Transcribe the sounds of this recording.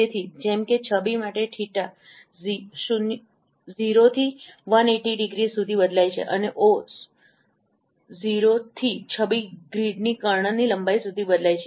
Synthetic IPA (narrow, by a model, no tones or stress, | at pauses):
et̪ʰid͡ʒɛmket͡ʃʰəbimaʈeʈʰiʈa | ziʃun | ziɾot̪ʰiʋəneʈiɖɪɡɾisud̪ʱibəd̪lajt͡ʃʰḛʔəneʔos | ziɾot̪ʰit͡ʃʰəbiɡɾiɖnikəɾɳənːiləmbaisud̪ʱibəd̪lajt͡ʃʰe